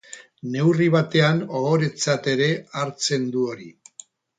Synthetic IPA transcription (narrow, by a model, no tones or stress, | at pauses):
ne̞wriβ̞at̪e̞ano̞oɾe̞t͡sat̪e̞ɾe̞aɾt͡se̞nd̪uo̞ɾi